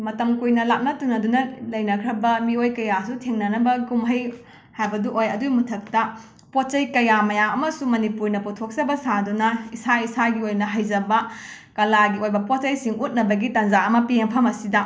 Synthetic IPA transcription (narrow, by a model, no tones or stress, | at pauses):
mɐtɐmkujnɐlap̚nɐtunɐdunɐlɐjnɐkʰɾɐbɐmiojkɐjasutʰeŋnɐnɐbɐkumɦɐj | hajbɐduʔojɐdumutʰɐk̚tɐ | pot̚t͡ʃɐjkɐjamɐjaɐmɐsumɐnipuɾnɐputʰok̚sɐbɐsadunɐisaisaɡiojnɐɦɐjd͡ʒɐbɐ | kɐlaɡiojbɐpot̚t͡ʃɐjsiŋut̚nɐbɐɡitɐnd͡ʒaɐmɐpieŋpʰɐmɐsidɐ